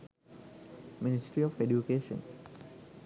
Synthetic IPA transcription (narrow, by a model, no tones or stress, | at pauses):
minisʈɾiɔfeɖjukeːʃə̰̃n